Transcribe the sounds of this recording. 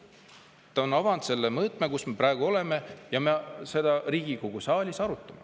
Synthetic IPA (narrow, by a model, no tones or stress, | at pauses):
t̪ːɑonɑvɑnd̪̥se̞lːemɤːt̪ˑmekusme̞prɑˑeɡ̥uo̞le̞mejɑmese̞d̪̥ɑriːɡ̥ikoɡ̥usɑːlʲisɑɾut̪ːˑɑme